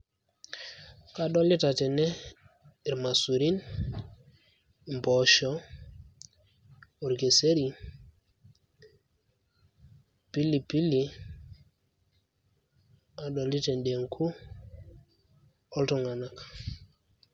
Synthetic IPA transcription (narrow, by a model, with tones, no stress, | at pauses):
ka˦ɗɔ˦li˦ta˨tɛ˨nɛ˦˨ | ɾma˨su˨ɾi˦n | mbɔ˨ʃɔ˨˦ | o˨ɾke˨se˦ɾi˨ | pi˦li˨pi˦li˨ | a˨dɔ˨li˦te˨nde˨ŋkʰu˦ | ɔ˦ltu˨ŋa˨na˦kḁ˨